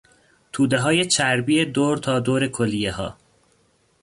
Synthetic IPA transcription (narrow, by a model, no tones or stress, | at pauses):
t̪ʰuːd̪eɦɒːjet͡ʃʰæɾbiːed̪oːɾt̪ʰɒːd̪oːɾe̞kʰolijeɦɒ̰ː